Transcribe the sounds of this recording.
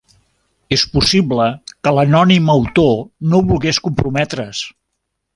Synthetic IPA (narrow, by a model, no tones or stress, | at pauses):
espusibləkələnɔniməwt̪onoβulˠɣeskumpɾumɛt̪ɾəs